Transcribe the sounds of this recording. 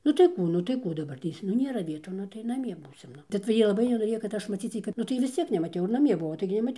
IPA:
nʊ tɐɪ ˈkuː nʊ tɐɪ ˈkuː dɐˈbɐrʲtʲeːs nʊ ˈnʲeːrɐ ˈʋʲiɛtuː ˈnʊ tɐɪ nɐˈmʲiɛ ˈbuːsʲɪm ˈnʊ tɐɪ t͡sʲɛ ˈjiɛ lˠɐˈbɐɪ nʲɛnoːˈrʲeːjoː kɐt ˈɐʃ mɐˈt͡sʲiːt͡s ˈjɛɪ kɐt nʊ ˈtɐɪ ʋʲɪs ˈt͡sʲiɛk nʲɛmɐˈtʲɛʊ ɪr nɐˈmʲiɛ ˈbʊʋoː ˈtɐɪɡʲɪ nʲɛmɐˈtʲɛʊ

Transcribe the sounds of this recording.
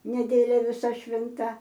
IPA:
nʲɛˈdʲeːlʲɛ ʋʲɪˈsɐ ʃʲʋʲɪnˈtɐ

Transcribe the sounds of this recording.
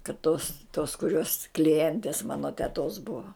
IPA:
kɐt toːs toːs kʊˈrʲoːs klʲɪˈjɛnʲtʲeːs ˈmɑːnoː tʲɛˈtoːs bʊɐ

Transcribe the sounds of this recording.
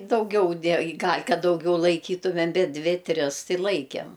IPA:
dɐʊˈɡʲɛʊ ˈdʲeː ɡɐlʲ ˈkɐt dɐʊˈɡʲɛʊ lˠɐɪˈkʲiːtʊmʲɛm ˈbʲɛt ˈdʲʋʲɪ ˈtʲrʲɪs ˈtɐɪ lˠɐɪkʲɛm

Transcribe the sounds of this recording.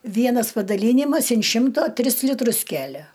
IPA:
ˈʋʲiɛnɐs pɐdɐˈlʲiːnʲɪmɐs ɪn ˈʃʲɪmtoː ˈtʲrʲɪs lʲɪˈtrʊs ˈkʲælʲɛ

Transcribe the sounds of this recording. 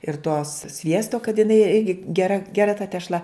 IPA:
ɪr toːs ˈsʲʋʲiɛstoː kɐt jɪˈnɐɪ ˈɪrʲɡʲɪ ɡʲɛˈrɐ ɡʲɛˈrɐ tɐ tʲɛʃˈlˠɐ

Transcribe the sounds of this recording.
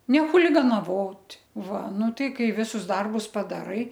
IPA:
nʲɛ xʊlʲɪɡɐnɐˈʋoːtʲ ˈʋɐ ˈnʊ ˈtɐɪ ˈkɐɪ ˈʋʲɪsʊs ˈdɐrbʊs pɐdɐˈrɐɪ

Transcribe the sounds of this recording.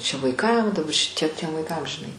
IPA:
t͡ʃʲɛ ʋɐɪˈkɐm dɐˈbɐ ʃʲɪˈtʲiɛ tʲiɛm ʋɐɪˈkɐm ʒʲɪˈnɐɪ

